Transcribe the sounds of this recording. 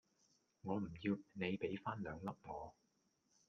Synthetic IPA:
ŋɔː˨˧m̩˨˩jiː˧wne˨˧jpe˨˥jfaː˥nlœ̰ː˨˧ŋlɐ˥p̚pʰɔː˨˧

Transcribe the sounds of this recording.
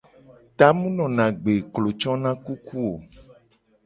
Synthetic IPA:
t̪a˦mũ˦nɔ̃˨nã˨ɡ͡be˨klo˨t͡ʃɔ̃˦nã˦ku˦kʰu˦o˨

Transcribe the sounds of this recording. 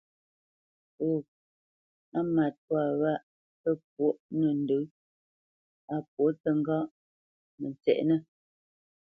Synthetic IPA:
o˨ | a˦ma˨t̚pwa˨wa˦ʔ | pə˦p̚wo˦ʔnə˨n̩˦də˨˦ | a˨p̚wo˨˦tə˨ŋ˦ɡa˦ʔ | mə˨nt͡sɛ̰˨ʔnə˦

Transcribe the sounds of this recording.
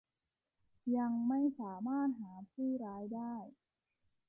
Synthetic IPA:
ja˧ŋma˥˩jsaː˩˦maː˥˩t̪̚haː˩˦pʰuː˥˩ɾaː˦˥jdaː˥˩j

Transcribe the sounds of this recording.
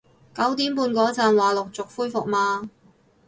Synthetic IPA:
kɐ˨˥wt̪iː˨˥mpuː˧nkɔː˨˥t͡saː˨˧nwaː˨˩lʊ˨k̚t͡sʊ˨k̚fuː˥jfʊ˨k̚maː˧

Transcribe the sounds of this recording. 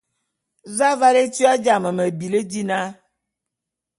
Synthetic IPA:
za˦va˦le˦ti˦a˦d͡ʒa˨mə˨me˨bi˨le˦di˦nã˦

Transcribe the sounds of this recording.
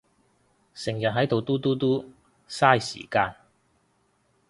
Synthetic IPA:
sɪ˨˩ŋjɐ˨t̚ɦɐ˨˥jt̪o˨wt̪uː˥t̪uː˥t̪uː˥ | saː˥˩jsḭː˨˩kaː˧n

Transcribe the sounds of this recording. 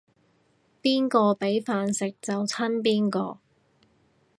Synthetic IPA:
piː˥nkɔː˧pe˨˥jfaː˨˧nsɪ˨k̚t͡sɐ˨wt͡sʰɐ˥np̬iː˥nkɔː˧

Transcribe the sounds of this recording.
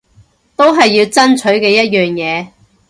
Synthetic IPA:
t̪o˥wɦɐ˨jːiː˧wt͡sɐ˥nt͡ʃʰɵ˨˥ɥkɛː˧jɐ˥t̚jœː˨ŋjɛː˨˧

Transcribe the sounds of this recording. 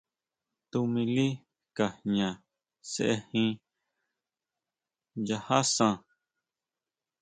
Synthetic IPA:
t̪u˧mĩ˧li˦ | ka˨ɲã˨ | sḛ˨ʔe˦hĩ˦ | ja˧ha˦sã˧

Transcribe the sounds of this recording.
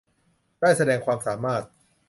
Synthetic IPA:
daː˥˩jsa˧dɛː˧ŋkʰwaː˧msaː˩˦maː˥˩t̪̚

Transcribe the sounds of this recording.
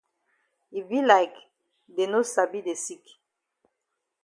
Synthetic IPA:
i˨vi˦laɪk | de˨no˦sabi˦de˨si˦k

